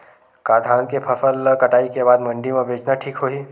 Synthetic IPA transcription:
kaːd̪ʱaːnkepʰəfəlkɐʈaːikebaːd̪mə̃ɳɖimãbʱeːt͡ʃnaʈʰiːkɦoːiː

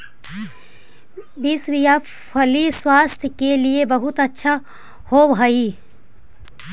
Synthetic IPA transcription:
biːswija | pʰɐliswaːst̪ʰjəkeliebɐɦʊt̪ɐtːʃʰa | hobʱɦai

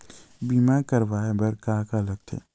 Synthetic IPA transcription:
biːmakəɾʋaːebɐɾkaːkaləɡ̚t̪ʰḛː

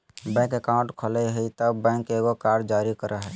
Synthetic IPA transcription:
bɛ̃kekãũɳʈkʰələɦəit̪əbbɛ̃ŋkeɡokaɾɖd͡ʒaɾikəɾʔəɦə

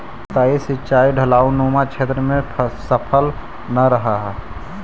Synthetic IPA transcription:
t̪aisɪt͡ʃaːiɖʱəlaːunoːmat͡ʃʰeːt̪ɾəmẽsəpʰəl | nəɾəɦaɦɛ

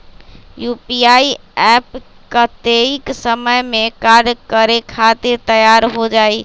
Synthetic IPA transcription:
jupijaiɛp | kət̪eiksəməjmekaɾɖkəɾekʰat̪ɪɾt̪əjaɾɦod͡ʒaj

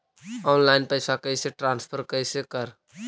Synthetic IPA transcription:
ɔːnlaːɪnpəɪsakəɪseʈɾãːnspʰəɾkəɪsekəɾ

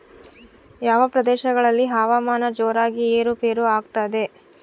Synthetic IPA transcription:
jaːʋɐpɾɐd̪ɛːʃɐɡɐɭɐlːiɦaːʋaːmaːnɐd͡ʒoːɾaːɡieːɾupeːɾuaːɡt̪aːd̪e̞

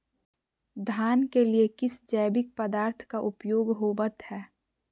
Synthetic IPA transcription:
d̪ʱaːnkeliekɪsd͡ʒɛːɪbɪk̚pəd̪aːɾt̪ʰkaʔʊpjoːɡɦoːbət̪hɛː

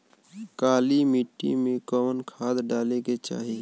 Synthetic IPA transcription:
kaːlimiʈːḭmẽkɔːmənkʰaːd̪ɖaːleket͡ʃa̰ːɦi

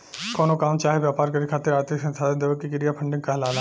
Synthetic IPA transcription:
koːnoːkaːmt͡ʃaːɦeʋjaːpaːɾkəɾikʰaːt̪ːɪɾaːɾt̪ɪksənt̪ʰaːd̪end̪eːokikɪɾijapʰəɳɖɪ̃ŋɡkaɦlaːlaː

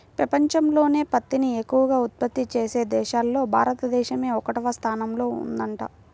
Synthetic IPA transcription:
pɾɐpɐɲt͡ʃɐmlo̞ːne̞ːpɐt̪ːiniekːuʋɐɡaːut̪̚pɐt̪ːit͡ʃeːse̞ːd̪ɛːʃaːlːo̞ːbʱa̰ːɾɐt̪ɐd̪ɛːʃɐme̞ːɔkɐʈɐʋɐst̪ʰaːnɐmlo̞ːṵnd̪ɐɳʈa̰ː

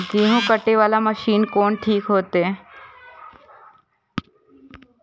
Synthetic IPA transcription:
ɡiːɦũkəʈeʋaːlaməʃiːnkoːnʈʰiːkɦoːt̪eː

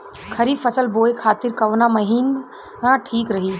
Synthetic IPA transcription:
kʰɐɾiːbfɐsəlboːekʰaːt̪ɪɾkɐʋnamɐɦiːn | ãʈʰiːkɾɐɦiː

